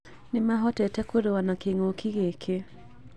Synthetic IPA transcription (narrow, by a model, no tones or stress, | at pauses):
nɪmaɦɔtɛtɛkoɾewanakeŋokʰiɣekʰe